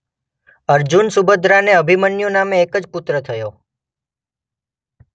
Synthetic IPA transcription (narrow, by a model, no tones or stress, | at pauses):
əɾd͡ʒunsubəd̪ɾaneəbʱimənjunameːkəd͡ʒpʊt̪ɾət̪ʰəjo